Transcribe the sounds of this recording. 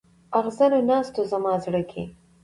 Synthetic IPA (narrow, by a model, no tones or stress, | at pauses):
aɣzanonɑst̪ozamɑzɽəkʰḛ